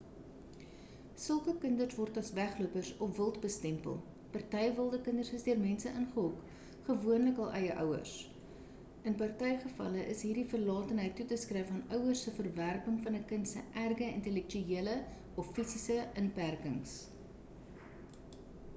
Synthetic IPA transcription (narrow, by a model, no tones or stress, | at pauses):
səlˠkəkəndərsvɔrtɐsvæχluəpərsɔfvəlˠtbəstɛmpə̰lˠ | pɑrtɛjvəlˠdəkəndərsəsdiərmɛnsəʔənχəɦɔk | χəvuənləkɐlˠʔɛjəʔœ̰wə̰rs | ənpɐrtɛjχəfɐ̰ləʔəsɦiːrdifərlɑːtənɦəjtːutəskrɛjfɐnœwərsəfərværpəŋfɐnəkəntsə̰ʔærɡəintɛlɛk̚tyiələ | ɔfːisisəənpærkəŋs